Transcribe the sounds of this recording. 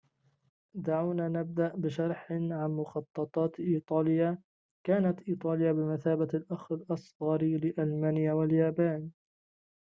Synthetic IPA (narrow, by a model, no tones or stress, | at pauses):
d̪aʕawnaːnab̚d̪aʔbɪʃɑɾˤħɪʕanmʊxɑt̪ˤːɑt̪ˤɑːt̪ʔiːt̪ˤɑːlɪja | kaːnat̪ʔiːt̪ˤɑːlɪjabɪmaθaːbaalʔaxɪlʔɑsˤɣɑɾilɪʔalmaːnɪjawaljaːbaːn